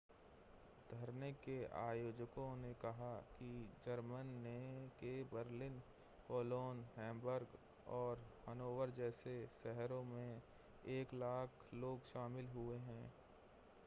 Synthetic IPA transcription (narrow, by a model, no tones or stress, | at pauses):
d̪ʱəɾnekeaːjoːd͡ʒkõnekɐɦakid͡ʒəɾmənːekebəɾlɪn | koːloːnɦɛ̃ːmbəɾɡ | ɔːɾmənoːwəɾd͡ʒɛːseʃɛɦɾõmẽ | eːklaːkʰloːɡʃaːmɪlɦʊeɦɛ̃ː